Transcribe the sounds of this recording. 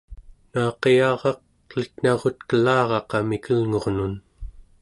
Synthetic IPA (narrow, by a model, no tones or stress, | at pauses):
nɑːqeɑːʁɑq̚ | lit̪n̥ɑʁot̪kəlɑːʁɑqɑmikʰəlŋo̞ʁnun